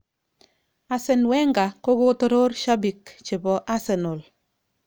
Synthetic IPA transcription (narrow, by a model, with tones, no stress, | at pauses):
a˨sɛ˨nwɛ˦ŋɡa˨ko˦ɡo˦tɔ˦ɾo˦ɾʃa˦bi˨kt͡ʃɪ˨bɔ˨ʔa˦sɛ˨nʊ˨l